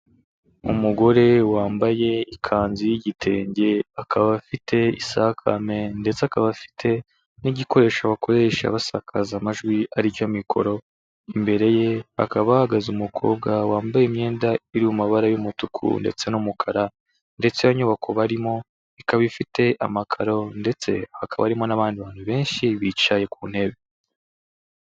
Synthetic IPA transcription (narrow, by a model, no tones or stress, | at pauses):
umuɡo̞ɾe̞waːmbaje̞ikʰaːnzijiɟitʰe̞ːɲɟe̞akʰaβafitʰe̞isakʰa̰me̞nde̞t͡seakaβafi̥tʰe̞ | niɟiko̞ɾe̞ːʃaβako̞ɾe̞ʃa̰βasakʰazamaʒɡwiaɾiɟomikʰo̞̰ɾo̞ | imbe̞ɾe̞je̞a̰kaβahaɡazumukʰo̞̰ːb̚ɡawaːmbajemɲe̞ːndaiɾiwumaβaɾajumutukʰṵnde̞̰t͡se̞numukʰaɾa | nde̞t͡seβaɲuβakʰoβaɾimo̞ | ikaβifite̞ʔamakʰaɾo̞nde̞t͡se̞hakʰaβa̰ɾimo̞naβaːndiβaːnhuβe̞ːnʃiβit͡ʃaje̞kuːn̥he̞βe